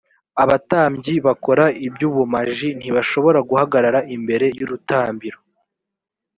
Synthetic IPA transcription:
aβataːmɟiβako̞ɾaibjuːβumaʒin̥hiβaʃo̞βo̞ɾaɡuhaɡaɾaɾaimbe̞ɾe̞juɾutaːmbiɾo

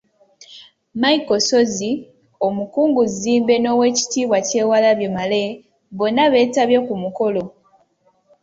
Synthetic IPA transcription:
maiko̞so̞zi | o̞mukuːŋɡuziːmbe̞no̞ːwe̞ːci̥tiːβwace̞ːwalaβjo̞male | βo̞nːaβe̞ːtaβje̞kumuko̞lo̞

